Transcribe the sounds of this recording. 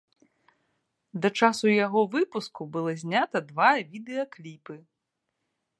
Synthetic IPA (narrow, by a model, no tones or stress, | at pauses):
d̪ɐt͡ʂasujaɣɔvɨpuskubɨlˠɔzʲnʲat̪ɐd̪vajɐvʲid̪ɛjɐklʲipɨ